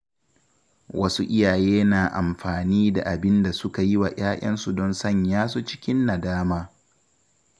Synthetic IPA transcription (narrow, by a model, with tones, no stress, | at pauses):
wɐ˦su˦ʔɪ˦jaː˨jeː˦naː˨ʔa˨mɸaː˨niː˦da˨ʔa˨bɪ˦nda˨sʊ˦ka˨jɪ˦wa˨jʔaː˦ʔʲʼɐ̰˦nsu˨dɔ˦nsɐ˦˨ɲjaː˦s̬o˦t͡ʃɪ̥˦kʲɪ˦nːa˨daː˦maː˦